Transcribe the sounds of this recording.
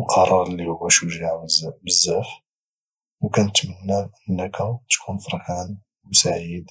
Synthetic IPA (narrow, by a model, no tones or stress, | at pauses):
lqʰɑɾˤɑɾˤlːihʊwːæʃuʒaʕwəzbəzːæf | wkænət̪mənːæʔənːəkʰæt̪kʰunfəɾˤħan | msaʕid̪